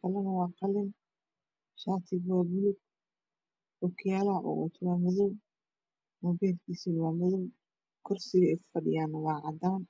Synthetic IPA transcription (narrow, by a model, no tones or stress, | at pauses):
kʰɐlɐnɐwɑːqɑlɪn | ʃaːt̪ʰɪɡwaːbʊlʊɡ̚ | ʊkʰjalaʔɔ̰ʔɔ̰t̪ʰwaːmɐðɔw | mɔːbɛːlkʰiːsiːnwaːmʊðɔw | kʰɔrsɪɣɐɛjkʰʊ̥fɐɖɪjaːnːɐwɑːʕɑd̪aːn